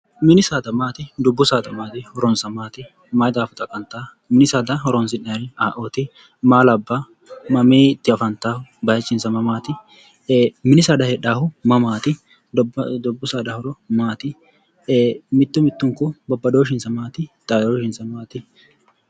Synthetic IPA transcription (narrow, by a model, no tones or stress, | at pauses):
mɪnɪsaːt̪ɐmaːt̪ɪd̪ʊbːʊsaːd̪ɐmaːt̪ɪhɔɾɔnsɐmaːt̪ɪ | mɐːjd̪aːfʊt̪ʼɐkʼːɐnt̪aː | mɪnɪsaːd̪ɐɦɔɾɔnsɪnːɐɾɪaːʔoːt̪ɪ | maːlɐbːa | mɐmeːt̪ːɪɐfɐnt̪aːhʊbɐjɐt͡ʃːɪnsɐmɐmaːt̪ɪ | mɪnɪsad̪ɐhɛᶑaːhʊmɐmaːt̪ɪ | d̪ʊbːʊsaːd̪ɐhɔɾɔmaːt̪ɪ | mɪt̪ːʊmɪt̪ːʊŋkʊbɔbːɐd̪oːʃ̬ɪnsɐmaːt̪ɪt̪ʼaːd̪oːʃɪnsɐmaːt̪ɪ